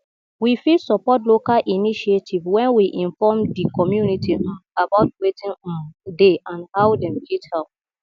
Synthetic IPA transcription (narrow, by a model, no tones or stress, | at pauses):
wifisɔpɔtlokalʔiniʃietʰivwɛ̃nwiʔĩnfɔmdikɔmjunitʰiabaʊt̚wetĩnɔ̃ndeʔãnhawdɛ̃mɡɛthaʊ